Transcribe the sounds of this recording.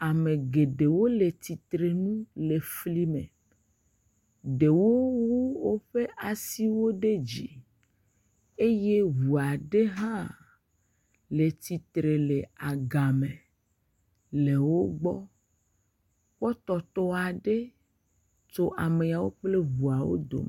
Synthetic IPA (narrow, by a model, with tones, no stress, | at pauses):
a˨mẽ˨ɡe˨ɖe˨wo˦le˨t̪i˨t̪ɾe˨nũ˦le˨fli˦mḛ̃˨ | ɖe˨wo˦wu˦wo˦ɸe˦ʔa˨si˦wo˦ɖe˦d͡ʑi˨ | e˦je˦βu˨a˨ɖe˦ɦã˦ | le˨t̪i˨t̪ɾe˨le˨a˨ɡa˨mẽ˨ | le˨wo˦ɡ͡bɔ˦ | k͡pɔ˦t̪ɔ˨t̪ɔ˦a˨ɖe˦ | t͡ʃo˦ʔa˨me˨a˨wo˦k͡ple˦βu˨a˨wo̰˦d̪o̰˨m˨